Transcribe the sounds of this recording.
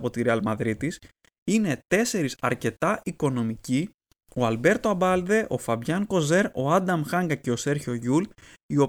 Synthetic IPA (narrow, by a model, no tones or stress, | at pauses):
po̞t̪iɾeɐlmɐðɾit̪is | ine̞t̪e̞se̞ɾisɐ̰ɾce̞t̪ɐʔiko̞no̞mici | o̞ɐlbe̞ɾt̪oɐbɐld̪e̞ʔo̞fɐbʝɐŋko̞ze̞ɾo̞ɐd̪ɐmxɐŋɡɐce̞o̞se̞ɾço̞ʝul | io̞